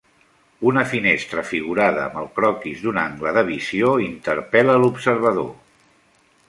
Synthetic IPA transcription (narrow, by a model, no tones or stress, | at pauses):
unəfinest̪ɾəfiɣ̞uɾaðəːməlˠkɾɔkizðunaŋɡləðəβizioint̪əɾpɛləlupsəɾβ̞əðo̰